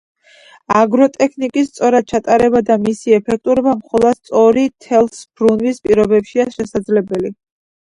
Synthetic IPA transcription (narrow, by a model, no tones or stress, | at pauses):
aɡɾɔt̪ʼɛkʰnikʼist̪sʼɔɾad̪̚t͡ʃʰat̪ʼaɾɛbad̪amisiɛpʰɛk̚ʰt̪ʼuɾɔbamχɔlˠɔd̪st̪sʼɔɾit̪ʰɛlˠsbɾunvispʼiɾɔbɛpʃiaʃɛsad̪zlɛbɛli